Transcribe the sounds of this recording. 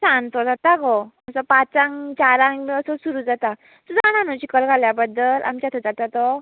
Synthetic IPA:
sant̪ɔd͡zat̪akɔəsɔpat͡saŋt͡ɕaɾaŋməsɔsuɾud͡zat̪a | sudananɔt͡ɕikəlkaljabəd̪əlʔa̰mt͡ɕjat̪ʰɔd͡zat̪at̪ɔ

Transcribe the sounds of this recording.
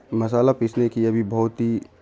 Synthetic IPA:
mɐs̬aːlapɪsnekiɐbʱibɐɦʊt̪ɦi

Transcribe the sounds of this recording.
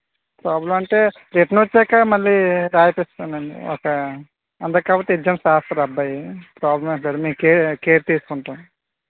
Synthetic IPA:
pɾaːblɐmɐɳʈeː | ɾeʈnot͡ʃːɛːkamɐlːiːɾaːjɐpest̪anɐɳɖḭɔ̰kɐ | ɐnd̪ɐkːaːpoːt̪ːeid͡ʒɐmʃaːst̪ɾɐɾɐbːɐjipɾaːblɐmɐaːɾumekkeːkeːɾt̪iːsu̥kuɳʈaːm

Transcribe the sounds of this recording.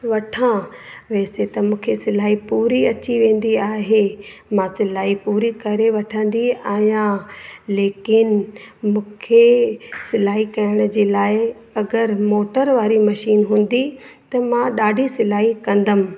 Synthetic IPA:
ʋɐʈʰãʋɛːset̪ɐmũːkʰesɪlaːɦipuːɾiɐt͡ɕiʋẽːn̆d̪iaːɦemãsɪlaːɦipuːɾikɐɾeʋɐʈʰə̃n̆d̪iaːɦjãleːkɪnmũːkʰesɪlaːɦikɐjəɽ̃ʊd͡ʑeːlaːɪ | ɐɡəɾmoːʈəɾʋaːɾimɐʃiːnɦũːn̆d̪i | t̪ɐmãɗaːɖʱisɪlaːɦikɐ̃nd̪əmɪ̆

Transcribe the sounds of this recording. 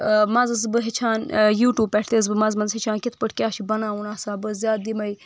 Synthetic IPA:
mɐ̃zɐsbɨɦet͡ʃʰaːnjuːʈjuːb̚pːɐʈʰt̪eːs̬bɨmɐzmɐnzɦet͡ʃʰãːnkʲit̪ʰpəʈʰkʲaːʃʰibɐnãːunaːsaːbɨzjaːt̪̚d̪imɐji

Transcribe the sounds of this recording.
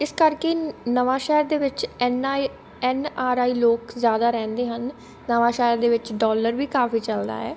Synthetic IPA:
ɪskəɾkeːnəʋaːʃɛːɾd̪eːʋɪt͡ʃɛn | ɛːnaːɾaːiːloːkzjaːd̪aːɾɛ̃ːnd̪eːɦənː | əʋaːʃɛːəɾd̪eːʋɪt͡ʃɖɔːləɾʋiːkaːfiːt͡ʃəld̪a̰ːɛː

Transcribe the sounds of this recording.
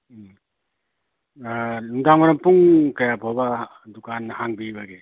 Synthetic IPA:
numdaŋmɐɾɐmpuŋkɐjapʰobɐ | dukanːɐhaŋbibɐɡe

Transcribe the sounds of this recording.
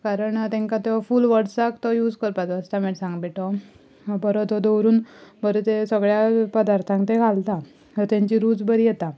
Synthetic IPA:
kaɾəɳt̪ɛ̃ŋkat̪fuːlʋəɽsakt̪ɔjuːd͡zkəɾpat͡sʋəst̪amɛʈsãŋɡbiʈɔ | bəɾɔt̪ɔd̪əwɾuːnbəɾɔt̪esəɡɭjapəd̪aɾt̪ʰãŋkt̪eɡʱalt̪a | ət̪ãɲt͡ɕiɾuːd͡zbəɾijɛt̪a

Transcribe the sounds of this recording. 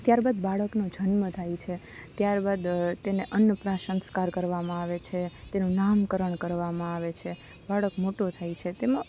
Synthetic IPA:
t̪jaɾbad̪baɭəknod͡ʒənmət̪ʰajt͡ʃʰe | t̪jaɾbad̪t̪eneʔənəpɾaʃəŋskaɾkəɾʋamãaʋet͡ʃʰet̪enũnamkəɾəɳkəɾʋamãaʋet͡ʃʰe | baɭəkmoʈot̪ʰajt͡ʃʰet̪emã

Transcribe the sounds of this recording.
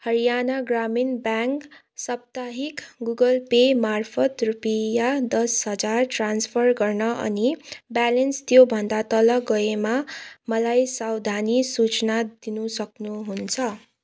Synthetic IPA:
hʌɾijanaɡraminbaŋk | sʌp̚t̪aɦikɡuɡʌlpemarpʰʌt̪rupijad̪ʌsɦʌd͡zarʈranspʰʌrɡʌrnʌʔʌ̰nibalenst̪jobʱʌnd̪at̪ʌlʌɡʌemamʌlajsawd̪ʱanisut͡snad̪inusʌknuɦunt͡sʰʌ

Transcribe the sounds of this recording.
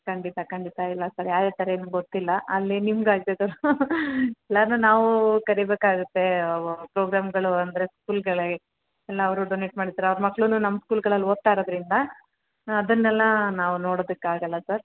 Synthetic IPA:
kɐɳɖit̪akɐɳɖit̪ailːɐsɐɾjaːd̪eːt̪ɐɾeeːnuɡot̪ːilːɐʔɐlːinimɡaːɡt̪ed̪ɐɾu | ɛlːaːnunaːʋukɐɾibeːkaːɡut̪ːe̞pɾoːɡɾaːmɡɐɭuɐnd̪ɐɾe̞skuːlɡɐɭe | ɛlːɐːʋɐɾuɖoneʈmaːɽid̪ːaːɾeɐʋɾɐmɐkːɭununɐmːɐskuːlɡɐɭɐlːot̪ːaːɾod̪ɐɾind̪ɐː | d̪ɐnːɛlːɐnaːʋuno̞ːɽoːd̪ɐkːeaːɡɐlːɐsɐɾ

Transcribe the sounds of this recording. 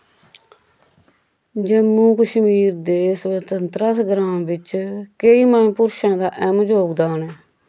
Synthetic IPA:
d͡ʒemːũːkəʃmiːɾd̪eːsʋət̪ənt̪ɾəsɡɾãːmʋɪt͡ʃkeiːmaːũːpʊɾʃãːd̪aːʔɛmd͡ʒoːɡd̪aːnɛː

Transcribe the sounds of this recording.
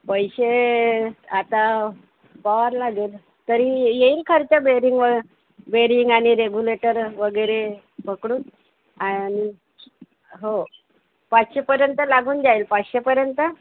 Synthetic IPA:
pəjɕe | at̪a | paʋaɾlaɡeːl | t̪əɾijeiːlkʰəɾit̪abeɾiŋɡʋə | beɾiŋɡaɽ̃iɾeɡuleʈəɾʋəɡəjɾe | pəkɽuːn | ani | ɦo | patɕepəɾjənt̪əlaɡuːnd̪ailpaɕepəɾjənt̪ə

